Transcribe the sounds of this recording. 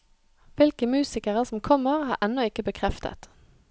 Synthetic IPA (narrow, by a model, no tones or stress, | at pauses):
ʋɪlkəmʉːsɪkəʁəsɔmkʰɔməʁhɑːʔɛnːɔɪkəbəkʰʁɛft̪ə̰t̪